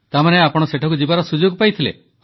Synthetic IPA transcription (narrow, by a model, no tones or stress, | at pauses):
t̪amaneapɔɽ̃ɔseʈʰɔkud͡ʒibaɾɔsud͡ʒoɡpajt̪ʰilḛ